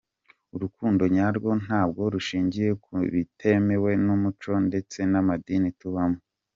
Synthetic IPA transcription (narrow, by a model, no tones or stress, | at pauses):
uɾukuːndo̞ɲaɾɡo̞n̥haːb̚ɡo̞ɾuʃiːɲɟije̞kuβitʰe̞me̞we̞numut͡ʃo̞nde̞t͡se̞namadinituβamo